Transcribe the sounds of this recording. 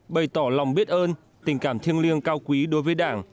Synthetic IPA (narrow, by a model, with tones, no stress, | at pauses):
ɓə˨˩jt̪ɔ˧˩la˨˩wŋ͡mɓi˦˥t̚ʔəː˧n | t̪ï˨˩ŋ̟kaː˧˩mt̪ʰi˧əŋli˧əŋkaː˧wkwi˨˦ɗo˨˦jvəː˨˦jɗaː˧˩ŋ